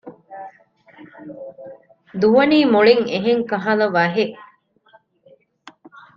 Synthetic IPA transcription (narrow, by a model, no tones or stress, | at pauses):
d̪uʋɐniːmoɭiŋeɦeŋkɐɦɐlɐʋɐɦeʔ